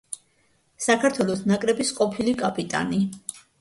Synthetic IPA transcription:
sakʰaɾt̪ʰwɛlˠɔsnakʼɾɛbisqʼɔpʰilikʼapʼit̪ʼa̰ni

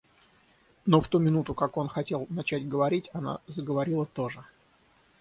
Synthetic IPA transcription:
no̞ft̪umʲɪnut̪ʊkako̞nxɐtʲe̞lˠnɐt͡ɕædtʲɡəvɐɾʲitʲɐna̰zəɡəvɐɾʲilˠət̪o̞ʐɨ

